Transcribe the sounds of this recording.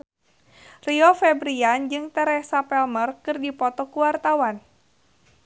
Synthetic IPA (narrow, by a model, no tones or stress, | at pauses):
riɔfɛbɾiand͡ʒɨŋt̪ɛɾɛsapɛlmərkɨrdipɔt̪ɔkuwart̪awan